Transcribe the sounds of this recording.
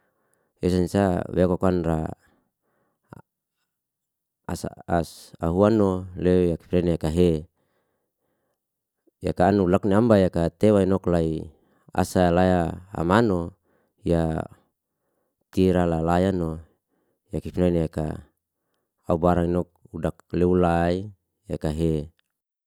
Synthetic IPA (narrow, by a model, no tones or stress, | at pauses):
esansaweakokanra | a̰sa̰asa̰ɦuanːolejaki̥pinaineakaɦe | jakaːnulakniambajakat̪ewainɔklai | a̰salajaa̰mano | ja | t̪iɾalalajano | jakipinainjaka̰ | aubaɾaŋinɔk̚udak̚leulai | jakaɦe